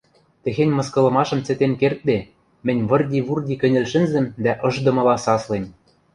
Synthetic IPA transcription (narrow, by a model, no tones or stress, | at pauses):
t̪ɘ̆xenʲmɤ̆skɤ̆lɤ̆mɑʃɤ̆mt͡sĕt̪enkert̪̚d̪e | mɘ̆nʲβɤ̆rdʲiβurdʲikɘ̆nʲɘ̆lʃɘ̆nzɘ̆md̪æʔɤ̆ʒd̪ɤ̆mɤ̆lɑsɑslem